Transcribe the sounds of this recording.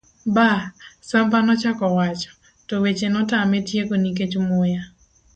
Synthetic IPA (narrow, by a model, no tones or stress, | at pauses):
basampanɔt͡ʃakɔwat͡ʃɔ̥ | tɔwet͡ʃenɔtametjekonik̬et͡ʃmʊja